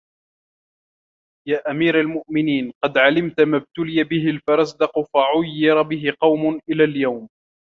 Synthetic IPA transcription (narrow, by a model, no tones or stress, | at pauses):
jaːʔamiːɾalmʊʔmɪniːnqɑd̪ʕalɪmt̪mab̚t̪ʊlɪjabɪɦɪlfɑɾˤɑsd̪ɑqʊfaʕʊjːɪɾˤɑbɪɦɪqɑwmʊnʔɪlaːljawm